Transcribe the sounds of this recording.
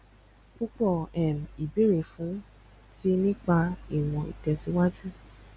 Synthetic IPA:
k͡pu˦k͡pɔ˦˨ɛ˨m˨i˨be˨˦ɾe˨fũ˨˦ | ti˦nĩ˦k͡pa˧i˦˨w̃ɔ̃˧ḭ˨tɛ˨si˨˦wa˦d͡ʒu˦

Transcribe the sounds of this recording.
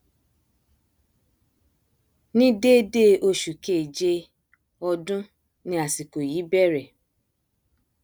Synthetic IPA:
nĩ˦de˦de˦˨o˧ʃu˨ke˦˨d͡ʒe˧ | ɔ˧dũ˦ | nĩ˧a˨si˨ko˨jiː˨˦bɛ˦˨ɾɛ˨

